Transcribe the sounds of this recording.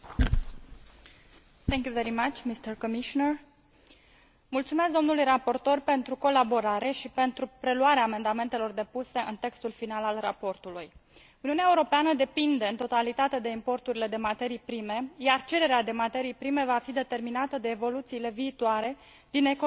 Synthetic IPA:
θɛ̃ŋkʲjuveɾimat͡ʃmist̪əɾkomiʃonər | mult̪sumesk̬̚d̪o̞mnulujrapo̞rt̪o̞rpe̞nt̪ɾuko̞labo̞ɾaɾe̞ʃipe̞nt̪ɾupɾe̞luaɾeaːme̞nd̪ame̞nt̪elo̞rd̪e̞puse̞ʔɨnt̪e̞kst̪ulfinalalra̰po̞rt̪uluj | uniuneaeuɾo̞peanəd̪e̞pind̪e̞ɨnt̪o̞t̪alit̪at̪e̞d̪e̞impo̞rt̪uɾile̞d̪e̞mat̪e̞ɾijpɾime̞jart͡ʃe̞ɾe̞ɾead̪e̞mat̪e̞ɾijpɾime̞vafid̪e̞t̪e̞rminat̪əd̪e̞ːvo̞lut̪siːle̞viːt̪waɾe̞ | d̪̥ine̞ko

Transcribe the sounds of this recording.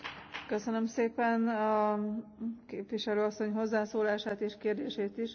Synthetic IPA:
køsønø̞mseːpɛnɒ | keːpʋiʃɛløːɒsːo̞ɲɦo̞zːaːsoːlaːʃaːt̪eːʃkeːrd̪eːʃeːt̪iʃ

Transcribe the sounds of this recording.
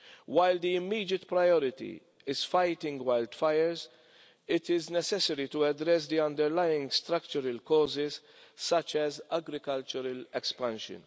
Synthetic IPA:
wajld̪iɪmːiːd̪jɪt̪pɾajɔɾɪt̪ḭ | ɪz̥fajt̪ɪ̃ŋɡwajld̪̥fɐjəɾz | ɪt̪ɪznɛsɛsɛɾit̪uɐd̪ɾɛs̬d̪iɐ̃nd̪ɛɾlajɪ̃ŋɡst̪ɾɐkt͡ʃəɾɐlkɔːzɪz | sɐt͡ʃːɛzɐɡɾɪkɐlt͡ʃɔɾɐlɛkspɐ̃nʃə̰̃n

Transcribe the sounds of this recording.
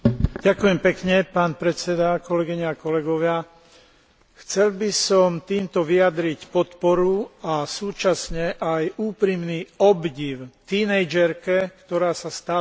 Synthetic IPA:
ɟakujɛmpɛkɲɛpaːnpɾɛt͡sɛd̪akɔlɛɡiɲɛakɔlɛɡɔʋɪa | xt͡sɛlbisɔmt̪iːmt̪ɔʋiad̪ɾicpɔt̪pɔɾuasuːt͡ʃasɲɛʔajuːpɾimniːɔbɟiʊt̪iːnɛjd͡ʒɛɾkɛkt̪ɔɾaːsast̪aː

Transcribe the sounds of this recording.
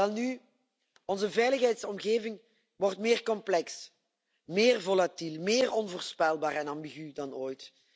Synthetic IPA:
ɛlˠny | ɔnzəvɛjləxɦɛjtsɔmɣeːvɪŋ | ʋɔrtmɪːrkɔmplɛks | mɪːrvolatilˠmɪːrɔnvoːrspɛlˠbaːrɛnɑmbiɣydɑnoːjt

